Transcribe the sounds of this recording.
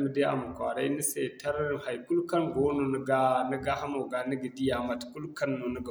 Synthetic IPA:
mə˨de˦ʔa̰˨mu˨kʷa˨ɾa˦ni˦se˨ta˦ɾha˨jku˦lka˦nɡo˦no˨nə˨ɡa˦nə˦ɡa˦ha˦mo˨ɡa˨nə˦ɡi˨di˦ja˨ma˨tku˦lka˦nːo˨nə˦ɡa˨

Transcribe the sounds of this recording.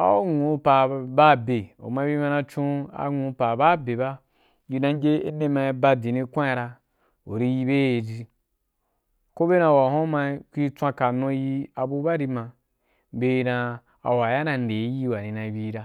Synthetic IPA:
a̰˨o˦ŋũ˨˧˦pa˨ba˦˨be˨o̰˨mã˧˦bi˦mã˧nã˧t͡ʃũ˦a̰˧˦ŋũ˧˦pa˨ba˦be˨ba˦ | ji˧nã˧ŋ˦ɡe˦e˦ne˧˦mã˧ba˧di˨nĩ˧kʷa˦a˧ɾa˧ | o˨ɾi˧ji˧be˦e˨d͡ʒi˧ | ko˦be˦nã˧˨wa˨ɦõ˦mã˧˦kʷi˦t͡sʷã˧ka˨nõ˧˦ji˧a˧bu˧˦ba˦ɾi˧mã˧ | be˧nã˧ | a̰˨wa˨ja˦nã˧n˨de˨˦ji˦˨wa˨nĩ˧nã˧bʲi˧˦ɾa˧

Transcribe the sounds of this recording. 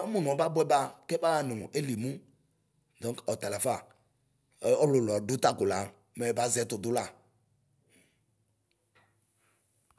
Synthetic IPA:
a˦mũ˨nɔ̃˨˦ba˦bɛ˦ba˦kɛ˦ba˦a˨nʊ̃˨e˦li˨mũ˦ | d̪ɔ̃˨˦ŋkɔ˨t̪a˨la˨fa˦˨˦ | ɔ˦lʊ˨lɔ˨dʊ˦t̪a˦kʊ˨la˨˦ | mɛ˨ba˨˦zɛ˨˦t̪ʊ˨dʊ˦la˦˨

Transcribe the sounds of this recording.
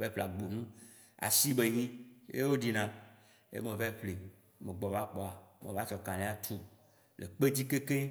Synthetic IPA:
ve˦ɸle˨a˨ɡ͡bo˨nũ˦ | a̰˨si˦be˨ɲĩ˦jḛ˦wo˦ɖi˨nã˨ | ḛ˦mẽ˨ve˦ɸle˨ | me˨ɡ͡bɔ˨va˦k͡pɔ˨a˨mḛ̃˨va˦t͡ʃɔ˨kã˨lẽ˨˦a˦t̪ʰu˦ | lḛ˨k͡pe˦d͡ʑi˦ke˦ke˦

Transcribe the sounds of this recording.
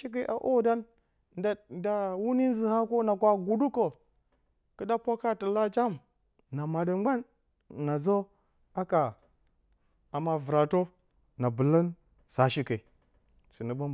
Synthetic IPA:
ʃi˦k̬ə˨ʔa˨ʔo˦da˦n˨ | da˨wu˦ni˦n˦zi˨ha˦ko˦na˨kʷa˨ɡu˨du˦ko˨ | kə˦da˦pʷa˦ka˦tə˨la˦t͡ʃa˦m | na˨ma˨də˨ŋ͡mɡ͡ba˦nː | a˨zo˦ | a˦ka˨ | a˨ma˨və˨ɾa˨to˦ | na˨bə˨lə˦n | sa˨ʃi˦kə˨ | si˨nə˨ba˦m˨

